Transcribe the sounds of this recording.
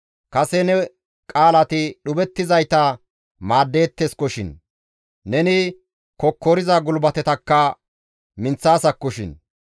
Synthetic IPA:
kɐsɛnɛ | kʼaːlɐt̪ɪɗʊbɛt̪ːɪzɐjt̪ɐ | maːd̪ːe̞ːt̪ːeskɔʃɪ̰nː | ɛnɪ | kɔkːɔɾɪzaɡʊlbɐt̪ɛt̪ɐkːɐ | mɪnt͡sːaːsɐkːɔʃɪ̰n

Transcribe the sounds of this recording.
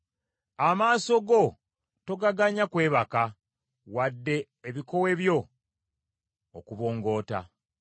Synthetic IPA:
amaːso̞ɡo̞ | to̞ɡaɡaɲakwe̞ːβaka | wadːe̞ːβiko̞we̞βjo̞ | okuβo̞ːŋɡo̞ːta̰

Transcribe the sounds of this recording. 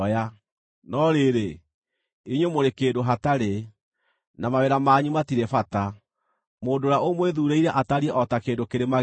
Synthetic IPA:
ja | nɔɾeɾe | eɲwemoɾekeːdoɦataɾe | namawɛɾamaːɲumatiɾɛfata | moːndoɾaomweðuːɾeiɾɛʔataɾiɛʔɔtakeːndokeɾema

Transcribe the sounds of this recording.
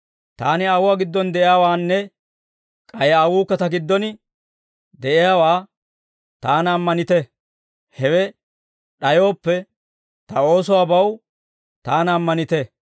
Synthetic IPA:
t̪aːnɪɐwʊwaɡɪd̪ːɔnd̪ɛʔɪjaːwaːnːɛ | kʼɐjɐwuːkːɐt̪ɐɡɪd̪ːɔnɪ | d̪ɛʔɪjaːwaː | t̪aːnɐːmːɐnɪt̪ɛ | hɛwɛ | ɗɐjo̞ːpːɛ | t̪ɐo̞ːsɔwaːbɐw | t̪aːnɐmːɐnɪt̪ɛ

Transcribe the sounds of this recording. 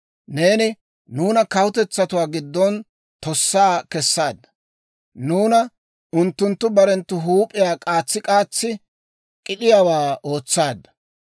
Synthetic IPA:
ne̞ːnɪ | nuːnɐkɐwʊt̪ɛt͡sːɐt̪ʊwaːɡɪd̪ːɔn | t̪ɔsːaːkɛsːaːd̪ːɐ̥ | nuːnɐ | ʊnt̪ːʊnt̪ːʊbɐɾɛnt̪ːʊɦuːpʼːɪjaːkʼaːt͡sːɪkʼaːt͡sːɪ | kʼɪɗɪjaːwaːo̞ːt͡sːaːd̪ːɐ̥

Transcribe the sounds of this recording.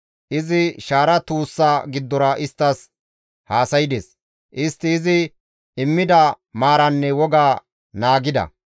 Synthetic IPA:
ʔɪzɪʃaːɾɐt̪uːsːaːɡɪd̪ːɔɾɐʔɪst̪ːɐs | haːsɐjɪd̪eːs | ʔɪst̪ːɪːzɪ | ɪmːɪd̪ɐ | maːɾɐnːɛwɔɡaː | naːɡɪd̪ɐ̰

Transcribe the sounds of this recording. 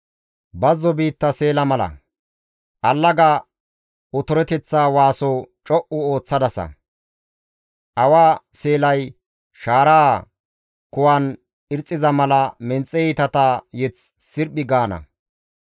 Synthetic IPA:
bɐzːɔbiːt̪ːɐse̞ːlɐmɐlɐ̰ | ʔɐlːɐɡa | ʔʊt̪ʊɾɛt̪ɛt͡sːaːwaːsɔt͡ʃʼɔʔʊoːt͡sːɐd̪ɐsɐ̰ | ʔɐwaːse̞ːlɐj | ʃaːɾaː | kʊwaːn | ɪɾt͡sʼːɪzɐmɐlɐmɛnt͡sʼːɛit̪ɐt̪ajɛt͡s | sɪɾbɪɡaːnɐ̰

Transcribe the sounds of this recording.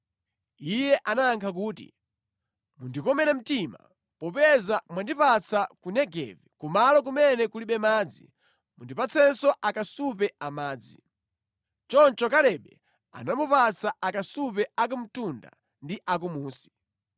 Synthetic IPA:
ijɛʔanaːŋkʰak̬uːtḭ | mundikɔmɛɾɛm̩tima̰ | pɔpɛzamwandipat͡sʰakunɛɡɛ̰vikumalɔk̬umɛnɛkuliɓɛmaːd͡zḭ | mundipat͡sʰɛnsɔʔakasup̬ɛamaːd͡zi | t͡ʃɔnt͡ʃɔkalɛɓɛ | a̰namupat͡sʰaakasupɛak̬um̩tunda̰ | ndiʔak̬umuːsi̥

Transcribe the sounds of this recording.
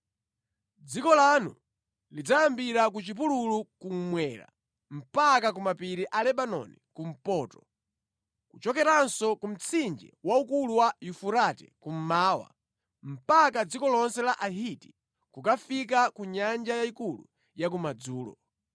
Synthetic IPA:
d͡zikɔlanṵ | lid͡zajambiɾakut͡ʃip̬ululukum̩mwɛːɾa̰ | m̩pakakumapiɾiʔalɛɓanɔ̰nikum̩pɔːtɔ̥ | kut͡ʃɔkɛɾansɔkum̩t͡sʰind͡ʒɛ̰waukuluwajufuɾatɛ̰kum̩maːwa̰ | m̩pakad͡zikɔlɔnsɛlaʔaɦiti̥ | kukafikakuɲand͡ʒajaikulṵ | jak̬umad͡zuːlɔ̰

